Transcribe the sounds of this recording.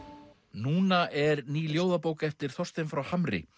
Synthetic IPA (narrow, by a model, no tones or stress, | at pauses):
nuːnaʔɛɾniːljoːwðapoːwkɛft̪ɪɾ̥θɔr̥st̪ɪnfɾawhamɾɪ̰